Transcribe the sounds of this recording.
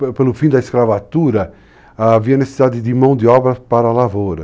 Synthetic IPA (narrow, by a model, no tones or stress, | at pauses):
pelʊfĩd̪ɐiskɾavat̪uɾɐ | aːviɐnesesid̪ad̪ɪd̪ɪmɐ̃w̃d̪ɪɔbɾɐpaɾɐlavoɾɐ